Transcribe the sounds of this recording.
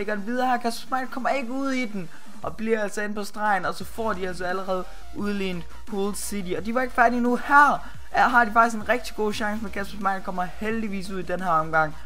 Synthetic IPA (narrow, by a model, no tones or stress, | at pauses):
eɡ̥ɐden̩ʋið̞ˠɐhæɐ̰kʰæsb̥ɑ̥smɑ̈ɪkʰɒ̽m̰ɐe̝ɡ̥əuð̰ˠid̥en | ʔɒ̽b̥liɐælsɒ̽e̝npʰɒ̽sd̥ʁɑ̈ɪn̩ɒ̽sɒ̽fɒ̰ːd̥iæl̰sɒæləʁɛːð̞̩ˠ | ʔuð̞ˠle̝̰ːnd̥ | hol̥sid̥iɒ̽d̥iʋɑ̈e̝ɡ̥əfæɐd̥inuhæɐ̰ | ɦɑ̈d̥ifɑ̈ɡ̥isɡ̥enʁɛɡ̥̚d̥i̥ɡ̥o̝̰ːɕɑ̈ŋsəmekʰæsb̥ɑsmɑ̈ɪnkʰɒ̽m̰ɐheld̥iʋḭːs̬uð̰ˠid̥enɦæɐɒ̽mɡ̥ɑ̈ŋ̰